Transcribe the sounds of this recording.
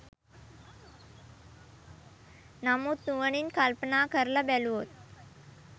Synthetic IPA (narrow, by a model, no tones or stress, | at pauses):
namut̪uʋəɳ̃iːnkalpənakəɾlabaluɦot̪̚